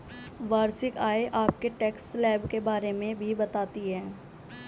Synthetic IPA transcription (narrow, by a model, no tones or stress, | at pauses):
ʋaːɾsɪkaːeʔaːp̚keʈɛːksːlɛːbkebaːɾemẽbʱibɐt̪aːt̪iɦɛ̃ː